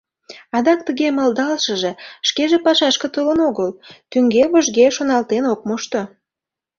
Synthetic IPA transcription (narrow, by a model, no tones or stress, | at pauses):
ɑd̪ɑk̚t̪əɣemə̆ld̪ɑlʃəʒeʃkeʒepɑʃɑʃkə̆t̪olənoɣəlt̪yŋɡeβoʒɣeʃonɑlt̪enok̚moʃt̪o